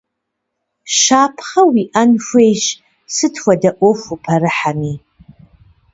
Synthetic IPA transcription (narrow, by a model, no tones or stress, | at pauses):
ʃaːpʰχɐwiʔɐnʃʷeːjʃ | sɨtʰwʷɐdɐʔʷofupʰɐɾɨħami